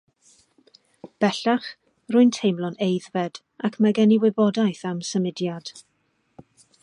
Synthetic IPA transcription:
b̥ɛɬaχ | rʊɨntʰejmlɔnejðvɛd̥ | akʰmaɡɛniwɪbɔdajθamsəmɪdjad̥

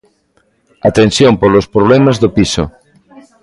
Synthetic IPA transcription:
at̪ẽnsjompolospɾoβ̞lɛmazðopiso̰

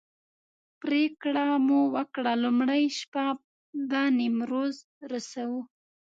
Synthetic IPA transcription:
pɾekɽamuwəkɽalʊmɽajʃpa | d̪ɑnimɾoz | ɾasawu

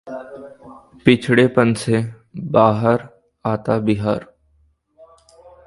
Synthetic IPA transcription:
pɪt͡ʃʰɽepənse | baːɦəɾ | aːt̪abɪɦaːɾ

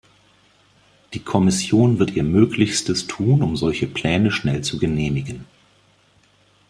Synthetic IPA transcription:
d̥iːkʰɔmɪsjoːnvɪɐtʔiːɐmøːklɪçstəstʰuːnʊmzɔlçəpʰl̥ɛːnəʃnɛlt͡suɡəneːmɪɡən

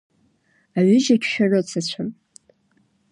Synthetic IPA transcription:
aɥʏʒakʲʰʃᶣarot͡sʰat͡ɕʷʰam

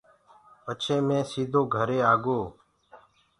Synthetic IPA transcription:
pət͡ʃʰẽːmẽːsiːd̪ʱoːɡʱəɾeːaːɡoː

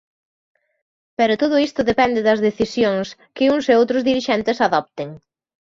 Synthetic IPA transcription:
pɛɾʊt̪oðʊist̪ʊðepɛnd̪ɪðɐzðeθisjoŋskɪuŋseowt̪ɾʊzðiɾiʃɛnt̪ɪsaðɔp̚t̪eŋ

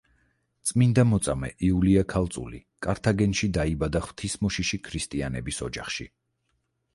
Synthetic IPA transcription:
t̪sʼmind̪amɔt̪sʼamɛ̰ʔiuliakʰalˠt̪sʼṵlḭkʼaɾt̪ʰaɡɛnʃid̪aibad̪aχw̥t̪ʰismɔʃiʃikʰɾist̪ʼianɛbisɔd͡ʒaχʃi

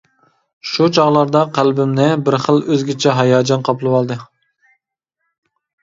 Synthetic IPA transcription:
ʃut͡ʃʰɑʁlˠɑɾd̪ɑqʰælbɪmnɪbɪɾχəlˠøzɡʲɪt͡ʃʰɛɦɑjɑːd͡ʒɑnqʰɑplˠɨwɑlˠd̪ɨ

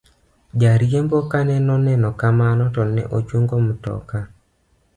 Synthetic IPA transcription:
d͡ʒaɾjembokanɛnɔnɛnɔkamanɔtɔnɛ̰ʔot͡ʃoŋɡomʊtɔ̰ka

